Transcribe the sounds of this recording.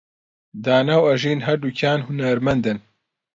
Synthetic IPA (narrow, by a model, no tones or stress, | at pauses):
d̪aːnawɐʒiːnɦɐɾd̪ucʰaːnhunɐɾmɐnd̪ɨn